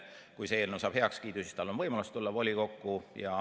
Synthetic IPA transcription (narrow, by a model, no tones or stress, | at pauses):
kujseeːlnewsɑːb̥he̞ɑkskiːt̪usi̥st̪ɑlːonvɤjmɑlust̪ulːɑvo̞lʲiko̞kːujɑ